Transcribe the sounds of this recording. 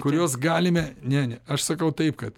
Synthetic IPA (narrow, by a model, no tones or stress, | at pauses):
kʊɾʲuɔs̬ɡɑːlʲɪmʲɛnʲɛnʲɛɐʃsɐkɐʊt̪ɐɪpkɐt̪